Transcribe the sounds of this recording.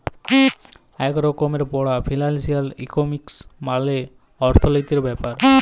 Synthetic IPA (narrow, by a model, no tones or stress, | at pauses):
ɛkɾɔkomeɾpɔɽapʰilalsialḭkomiksmale | ɔɾt̪ʰolojt̪eɾbɛpaɾ